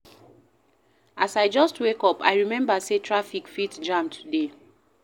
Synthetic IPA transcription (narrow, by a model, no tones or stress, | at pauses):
asaɪd͡ʒɔstwekɔpa̰ɪɹimɛ̃mbasetʰɹafikfitd͡ʒãmtʰude